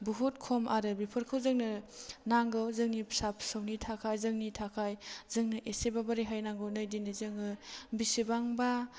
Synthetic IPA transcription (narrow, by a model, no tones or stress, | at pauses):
buɦut̚kʰomaɾɯbipʰɯɾkʰɯwzɯŋnɯnaŋɡɯwzɯŋnisap̚ʰsawnitʰakʰajzɯŋnitʰakʰajzɯŋnɯʔesebabaɾiɦajnaŋɡɯwnɯjdinɯzɯŋɯbisibaŋba